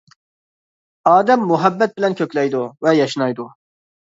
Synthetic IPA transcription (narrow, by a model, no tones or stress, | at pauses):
ɑːd̪ɛmːuɦɛbːɛt̪̚bɪlɛnkʲʰøkʲlɛjd̪uvɛjɑʃɨnɑjd̪u